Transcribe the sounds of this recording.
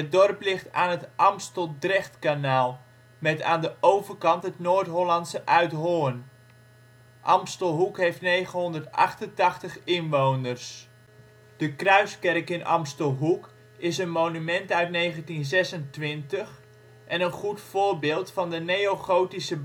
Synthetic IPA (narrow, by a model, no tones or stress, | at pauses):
ət̚dɔrplɪχtaːnətʔɑmstəlˠdrɪχtkanaːlˠ | mɛta̰ːndəʔowvərkɑntɦətnoːɹtɦolɑntsəʔœɥtɦoːn | ʔɑmstəlˠɦukɦejftnejχənɦɔndərtɑ̰χtəntɑχtəχɪnʋownərs | d̥əkrœɥskɛrkɪnʔɑ̰mstəlˠɦuk | ɪsənmownymɛntœɥtnejχəntinzɛsəntʋɪntəχ | ʔɛnənχutfʊːrbɪːlˠtfɑndənejowχowtisə